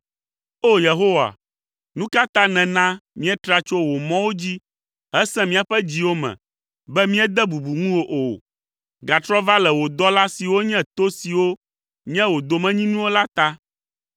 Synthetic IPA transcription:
o˦je˨ɦo˦wa̰˨ | nũ˦ka˦t̪ã˦nɛ̃˨nã˦mĩ˦ɛ˦t̪ɾa˦t͡ʃo˦wo˨mɔ̃˦wo˦d͡ʑi˦ | ɦɛ˦sɛ̃˦mĩ˦a˨ɸɛ˦d͡ʑi˦wo˦mɛ̰̃˨ | bɛ˦mĩ˦ɛ˦d̪ɛ˦bu˨bu˨ŋũ˦wo˦ʔo˨ | ɡa˨t̪ɾɔ˦va˦lɛ˨wo˨d̪ɔ˦la˦si˨wo˦ɲɛ̃˦t̪o˦si˨wo˦ | ɲĩ˦ɛ̃˦wo˨d̪o˨mɛ̃˦ɲĩ˦nũ˦wo˦la˦t̪a˦

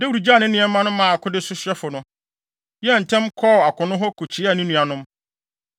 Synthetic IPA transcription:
dɛ˦wu˨ɾu˨d͡ʑa˦˨nɪ̃˦nĩ˦ɛ̃˨˦mã˦nʊ̃˦mã˦˨a˨kʰʊ˦dɪ˦sʊ˦ɕɛ˦fʊ˨nʊ̃˦ | jɛ˦n̩˨tʰɛ̃˦mkʰɔː˦˨a˨kʰʊ̃˨nʊ̃˦ɦɔ˦kʰo˨t͡ɕʰi˨˦˨nɪ̃˦nũ˨a˨nʊ̃˦m

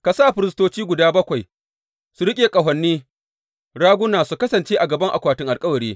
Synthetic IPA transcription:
ka˨sa˦˨ɸɪ˨ɾɪ˦s̬toː˦t͡ʃiː˦ɡʷʊ˨daː˦bɐ˦kʷa˨j | su˨ɾɪ˦kʲʼeː˨kʼɐ˨ɦɐ˨nːiː˦ | ɽaː˦ɡʷʊ˦naː˨su˨kɐ˦sɐ˨nt͡ʃeː˦ʔa˨ɡɐ˨bɐ˦ŋʔa̰˨kʷaː˨tɪ˦ŋʔa˨lkʼɐ˦wɐ˨ɽiː˦

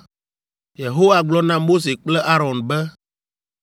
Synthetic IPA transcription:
je˨ɦo˦wa˨ɡ͡blɔ˦nã˦mo˦s̬e˨k͡plɛ˦ʔa˦ɾɔ̃˨nbɛ˦

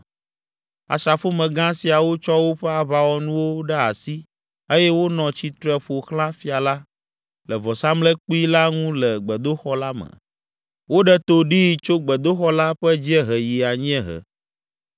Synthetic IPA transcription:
a̰˨sɾa˨fo˦mɛ̃˨ɡã˦si˨a˨wo˦t͡ʃɔ˦wo˦ɸɛ˦a˨βa˨wɔ˦nũ˦wo˦ɖɛ˦a˨si˦ | e˦jɛ˦wo˦nɔ̃˨t͡ɕi˦t̪ɾɛ˨ɸo˨xlã˦fi˦a˨la˦ | lɛ˨vɔ˨sa˦mlɛ˦k͡pi˦la˦ŋũ˦lɛ˨ɡ͡bɛ˨d̪o˦xɔ˦la˦mɛ̰̃˨ | wo˦ɖɛ˦t̪o˦ɖi˦˨t͡ʃo˦ɡ͡bɛ˨d̪o˦xɔ˦la˦ɸɛ˦d͡ʑi˦ɛ˦ɦɛ˨ji˨a˨ɲĩ˦ɛ̃˦ɦɛ̰˨

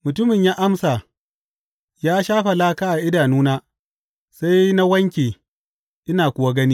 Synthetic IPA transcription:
mʊ˨tʊ˦mɪ˨ɲjaː˦ʔa˦msa˨ | jaː˦ʃaː˦ɸa˨laː˦kaː˦ʔa˨ʔɪ˦daː˨nuː˦naː˦ | sa˦jna˦wɐ˦ŋkʲeː˨ | ʔɪ˦naː˨kʷʊ˨wa˦ɡɐ˦niː˦

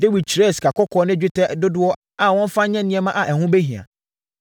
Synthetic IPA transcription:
dɪ˦wi˨t͡ɕʰi˨ɾɛ˦˨si̥˨kʰa˨kʰɔ˦kʰɔː˨˦nɪ̃˦d͡ʑᶣɪ˦tɛ˦˨dʊ˦dʊ˦ɔ˦ | a˨wɔ̃˦n˦fã˦ɲɛ̃˦nɪ̃˦ɛ˦mã˦ʔa˨ʔɛ˨hʊ̃˦be˦ɦĩ˨a̰˨

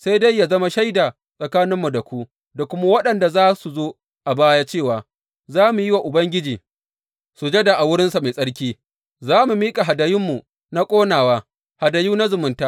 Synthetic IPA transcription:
sa˦jda˦jːaː˨zɐ˦ma˦ʃa˦jda˨ | sʼɐ˨kaː˦nɪ˦mːu˨da˨kʷu˦ʔ | da˨kʷʊ˦ma˦wɐ˦ɗɐ˨nda˨zaː˦su˨zoː˦ | ʔa˨baː˦ja˦t͡ʃeː˦˨waː˨ | zaː˦mu˨jɪ˦wa˨ʔʊ˨bɐ˦ŋɡʲɪ˦d͡ʒiː˨ | su˨d͡ʒe˦da˨ʔa˨wʊ˦ɽɪ˦nsa˨me˨sʼɐ˦ɽkʲiː˦ | zaː˦mu˨miː˦kʼa˨ɦa˨da˨jɪ˦mːu˨ | na˦kʷʼoː˦naː˨waː˦ | ha˨dɐ˨juː˦na˦zʊ˨mʊ˨ntaː˦

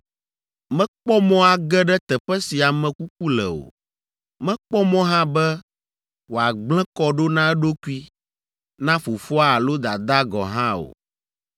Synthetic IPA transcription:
mɛ̃˦k͡pɔ˦mɔ̃˦a˨ɡɛ˦ɖɛ˦t̪ɛ˨ɸɛ˦si˨a˨mɛ̃˨ku˦k̚u˦lɛ̰˨o̰˨ | mɛ̃˦k͡pɔ˦mɔ̃˦ɦã˦bɛ˦ | wo˨a˨ɡ͡blɛ̃˦kɔ˦ɖo˦nã˦ɛ˦ɖo˦ku˦i˦ | nã˦fo˨fɔ˦a˦a˨lo˦d̪a˨d̪a˦ɡɔ̰˨ɦã˦o̰˨

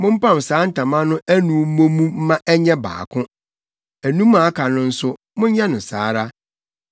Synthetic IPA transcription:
mʊ̃˦m̩˦pã˦˨m˨saː˨˦n̩˦tʰã˨mã˦nʊ̃˦ʔæ˦nũ˨˦mõ˦mũ˦m̩˦mã˦ʔɛ˦ɲɛ̃˦ba̰ː˨kʰʊ̃˦ | æ˨nũ˦mːã˨a˦kʰa˨nʊ̃˦n̩˦sʊ˦ | mʊ̃˦ɲ˦jɛ˦nʊ̃˨sa̰ː˨˦ɾa˦

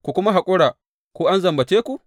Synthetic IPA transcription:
kʷu˨kʷʊ˦ma˦ɦa˨kʷʼʊ˦ɽaː˨ | kʷoː˦ʔa˦nzɐ˨mbɐ˨teː˦kʷu˨ʔ

